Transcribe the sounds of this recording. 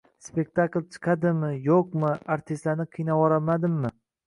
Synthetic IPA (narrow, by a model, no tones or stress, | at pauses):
spe̞k̚ʲt̪ʰaklˠt͡ʃʰɨ̥qʰɑd̪ɪmɪjoqmɪaɾt̪ʰɪst̪lanɪqʰɨjnawɒɾamad̪ɪmːɪ